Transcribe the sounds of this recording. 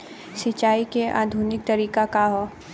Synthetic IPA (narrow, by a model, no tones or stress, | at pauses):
sɪt͡ʃaːikeʔa̰ːd̪ʱuːnɪk̚t̪ɐɾiːkakaɦoː